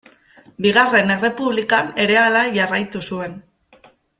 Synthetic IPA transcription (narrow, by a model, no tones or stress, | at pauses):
biɣare̞ne̞re̞puβlikane̞ɾe̞alaʝarajt̪usue̞n